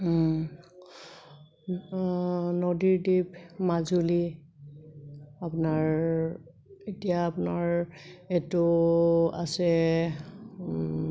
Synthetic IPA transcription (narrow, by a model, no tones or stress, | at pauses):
nodiɹdibmazuli | apʊnaɹ | etijaːpʊnaɹɛtʊ | a̰sɛ